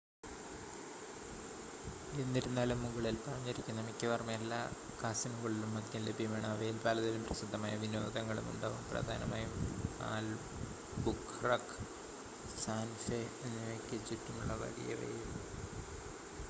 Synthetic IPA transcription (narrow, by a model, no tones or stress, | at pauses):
enːiɾunːaːlumːuɡɐɭilpɐrɐɲːiɾikʲːumnːɐmikʲːɐʋɐrmɐelːaː | kaːsɐmuŋɡɐɭilumːɐt̪jɐle̞bʱijɐmaːɳɨɐʋɐjilbaːlɐt̪ːilumprɐsud̪ʱːɐmaːjɐʋino̞̰ːd̪ɐŋːɐɭṵmṵɳɖaːʋumprɐ̰d̪ʱaːnɐmaːjuma̰ːl | bukː | rɐk | saːnfeenːekːet͡ɕːiʈːumuɭːɐʋɐ̰ɽḭjɐ̰rḛjim